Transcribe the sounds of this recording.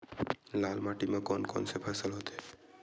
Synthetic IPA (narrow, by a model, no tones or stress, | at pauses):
lalmaʈimãkɔnkɔ̰nsepʰasəlɦɔt̪e